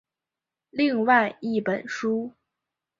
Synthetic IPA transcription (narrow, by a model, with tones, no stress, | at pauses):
li˥˧ŋwa˥˧ɪi˥˩pə˨˩˦nʂu˥